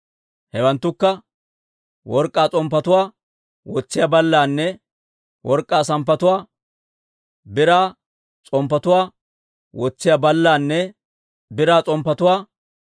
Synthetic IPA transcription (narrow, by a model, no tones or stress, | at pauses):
hɛwɐnt̪ːʊkːɐ | wɔɾkʼːaːt͡sʼɔmpːɐt̪ʊwaː | wɔt͡sːɪjaːbɐlːaːnːɛ | wʔɔɾkʼːaːsɐmpːɐt̪ʊwaː | bɪɾaː | t͡sʼɔmpːɐt̪ʊwaː | wɔt͡sːɪjaːbɐlːaːnːɛ | bɪɾaːt͡sʼɔmpːɐt̪ʊwaː